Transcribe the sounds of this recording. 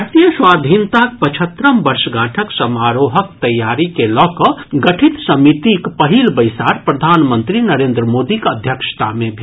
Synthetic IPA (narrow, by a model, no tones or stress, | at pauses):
ɾt̪ijəswad̪ʱint̪ak̚pət͡ʃʰət̪ɾəmbəɾsəɡãʈʰəksəmaɾoɦəkt̪əjːaɾikelɔkəɡəʈʰit̪səmit̪ikpəɦilbəjsaɾpɾəd̪ʱanmənt̪ɾinəɾend̪ɾəmod̪ikəd̪ʱjəkʃə̥t̪amebʱe